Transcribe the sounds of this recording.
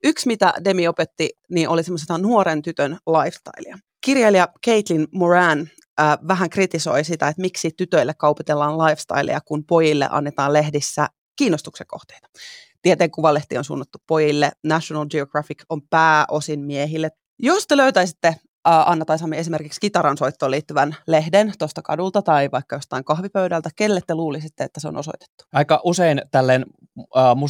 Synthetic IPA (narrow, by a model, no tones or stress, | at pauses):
yksmit̪æ̰demiopet̪ːiniːnʔolisemːosiɑnuoɾent̪yt̪ønlɑifst̪ɑ̰iliɑ | kirjɑliɑkeit̪linmorænː | ʋæɦæŋkrit̪iso̞̰isit̪æet̪miksit̪yt̪øilːekɑuput̪elːɑːnlɑifst̪ɑ̰ilḛjɑkunpojilːḛʔɑ̰nːet̪ɑːlehdisːæ | kiːnːost̪ukseŋko̰ht̪eit̪ɑ̥t̪iet̪eːŋkuʋɑlːeht̪ionsṵnːɑt̪ːuppojilːenæʃonɑld͡ʒioɡ̥rɑfikompæːʔosinmieɦilːe | jost̪eløyt̪æisit̪ːe | ʔɑnːɑt̪ɑisɑmːiesimerkikskit̪ɑɾɑnsoit̪ːoːliːt̪ːyʋænlehdent̪ost̪ɑkɑ̰dult̪ɑt̪ɑiʋɑikːɑjo̞st̪ɑiŋkɑhʋipøydælt̪ækelːet̪ːeluːlisit̪ːeḛt̪ːæseo̰nʔoso̞̰it̪e̥t̪ːu̥ɑikɑʔuseint̪ælːenː | mu